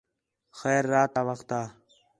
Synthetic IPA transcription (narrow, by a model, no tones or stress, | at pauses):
xeːɾːaːt̪aːʋəxt̪aː